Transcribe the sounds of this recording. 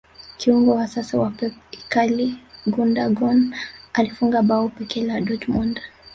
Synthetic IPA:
kiuŋɡɔwasasawapɛikaliɡundaɡɔnalifuŋɡaɓaɔpɛkɛladɔd͡ʒmund

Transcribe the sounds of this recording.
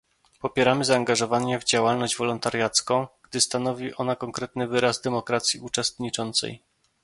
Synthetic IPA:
pɔpʲjɛɾamɘzaːŋɡaʐɔvaɲɛvd͡ʑawalnɔʑd͡ʑvɔlɔnt̪aɾjat̪skɔ̃w̃ɡ̥d̪ɘst̪anɔvʲiʔɔnakɔŋkɾɛt̪nɘvɘɾazd̪ɛmɔkɾat̪sʲjiʔut͡ʂɛst̪ɲit͡ʂɔnt̪sɛ̰j

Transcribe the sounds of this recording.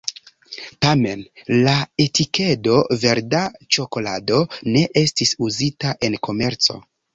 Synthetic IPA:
tame̞nlae̞tike̞do̞ve̞ɾdat͡ʃo̞ko̞lado̞ne̞ʔe̞stisuzitaʔe̞nko̞me̞ɾt͡so̞̰

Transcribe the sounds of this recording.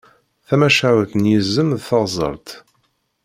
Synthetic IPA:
θæmæʃaʕwθnjizːəmðθəʁzˤə̰ɾˤt̪

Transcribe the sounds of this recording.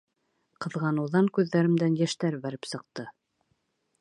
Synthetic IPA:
qɤ̆ðʁɑnuðɑŋkʉðːæɾɘ̆md̪ænjæʃt̪æɾbæɾɘpsɤ̆q̚t̪ɤ

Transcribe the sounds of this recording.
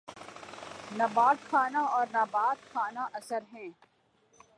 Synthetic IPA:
nɐbaːt̪xʰaːnaɔːɾnabaːt̪xʰaːnaʔɐsəɾɦɛ̃ː

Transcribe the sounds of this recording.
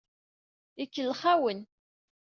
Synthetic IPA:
ikːəlχawən

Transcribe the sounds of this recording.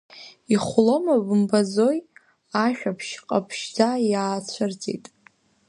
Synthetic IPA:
iχʷlomabɨmbazoj | aʃᶣapʰʃqʼapʰʃd͡zajaːt͡ɕʷʰart͡sʼḛjtʼ

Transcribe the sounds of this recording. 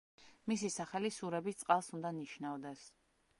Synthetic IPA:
mis̬isaχɛlisuɾɛbist̪sʼqʼalˠsund̪aniʃnavd̪ɛs

